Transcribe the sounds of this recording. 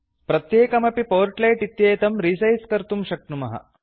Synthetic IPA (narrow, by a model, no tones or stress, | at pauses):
pɾɐt̪jeːkɐmɐpipoʋɐɾʈlɐjʈit̪jejt̪ɐmɾiːsɐjskɐɾt̪umɕɐk̚numɐɦɐ̰